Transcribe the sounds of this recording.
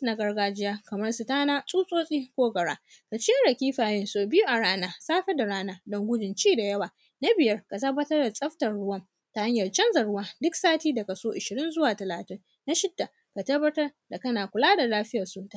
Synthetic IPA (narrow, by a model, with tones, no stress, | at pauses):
na˨ɡɐ˦rɡaː˦d͡ʒɪ˦jaː˦kɐ˨mɐ˦rsʊ˨taː˦naː˦sʼuː˦sʼoː˦sʼiː˦kʷoː˦ɡɐ˨ɽaː˦ | ka˨t͡ʃɪ˦a˦ɽɐ˨kʲiː˦ɸaː˨jɪ˦nsoː˨bɪ˦ju˦ʔa˨ɽaː˦naː˦saː˦ɸɛ˦da˨ɽaː˦naː˦dɔ˦ŋɡʷʊ˦d͡ʒɪ˨nt͡ʃiː˦da˨jɐ˦waː˨ | na˦bɪ˨jɐ˦rka˨tɐ˦bːɐ˦tɐ˦rda˨sʼɐ˦ɸtɐ˨rɽʊ˦wɐ˦m | ta˨ha˦ɲjɐ˨rt͡ʃɐ˦nzɐ˨ɽʊ˦waː˦dʊ˦ksaː˦tiː˦dɐ˨ka˨soː˦ʔɪ˨ʃɪ˨ɾɪ˦nzʊ˦waː˨tɐ˨laː˨tɪ˦ŋ | na˦ʃɪ˦dːa˨ | ka˨tɐ˦bːɐ˦tɐ˦r | da˨kɐ˦naː˨kʷʊ˨laː˦da˨laː˦ɸɪ˦jɐ˨rsoː˦ta˦˨